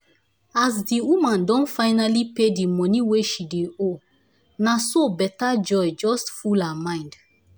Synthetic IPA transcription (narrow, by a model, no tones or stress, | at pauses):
as̬diwumãndɔ̃nfãɪnalipedimɔniweʃideo | nasobɛtad͡ʒɔjd͡ʒɔstfulamãɪ̃nd